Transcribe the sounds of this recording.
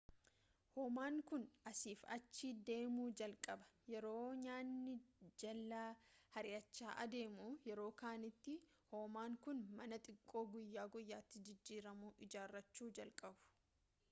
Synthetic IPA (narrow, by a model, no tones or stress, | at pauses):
hoːmaːŋkʊnɐsiːfɐ̰t͡ʃːɪd̪e̞ːmuːd͡ʒɐlkʼɐbɐ̥jɛɾo̞ːɲaːnːɪd͡ʒɐlːaːhɐɾɪjɐt͡ʃːaːʔɐ̰d̪e̞ːmuːjɛɾo̞ːkaːnɪt̪ːɪ | hoːmaːŋkʊnmɐnɐt̪ʼɪkʼːo̞ːɡʊjːaːɡʊjːaːt̪ːɪd͡ʒɪd͡ʒːiːɾɐmuːʔɪd͡ʒaːrːɐt͡ʃːuːd͡ʒɐlkʼɐbʊ̥